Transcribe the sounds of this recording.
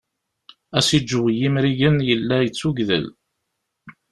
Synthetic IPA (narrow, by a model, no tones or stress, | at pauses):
æsid͡ʒːwjimɾiʝənjəlːæjət͡sːuɡðə̰l